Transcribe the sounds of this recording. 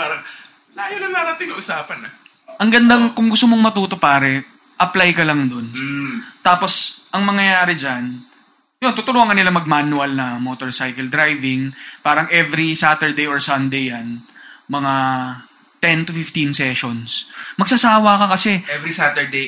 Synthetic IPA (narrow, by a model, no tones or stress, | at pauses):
paɾɐŋ | laːjonɐŋnaɾɐt̪ɪnɐʔʊsaːpɐnɐ | ʔɐŋɡɐnd̪aŋkʊŋɡʊst̪omoŋmɐt̪uːt̪o̞paːɾɛ | ʔɐplajkɐlɐŋd̪o̞nt̪aːpo̞sʔɐŋmɐŋjɐjaːɾɪd͡ʒan | jont̪ʊt̪ʊlʊhɐŋkɐnɪlamɐɡ̚manʊɐlnɐmoːt̪oɹsajkɛld̪ɾajvɪŋpaːɾɐŋɛvɾisaːt̪ɛɹd̪ejoɹsɐnd̪ejːanmɐŋa | t̪ɛnt̪ʊfɪft̪insɛʃonsmɐɡ̚sɐsaːwɐkɐkɐsɛɛvɾisat̪ɛɹd̪e